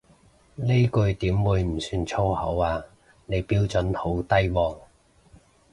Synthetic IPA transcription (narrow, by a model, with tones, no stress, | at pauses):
le˥jkɵ˧ɥt̪iː˨˥mwuː˨˧jm̩˨˩syː˧nt͡sʰo˥whɐ˨˥waː˧ | ne˨˧jpiː˧˥wt͡sɵ˨˥nho˨˥wt̪ɐ˥jwɔː˨˩ŋ